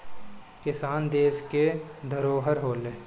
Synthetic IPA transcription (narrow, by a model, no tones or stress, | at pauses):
kɪsaːnd̪eːsked̪ʱəɾoːɦəɾɦoːleː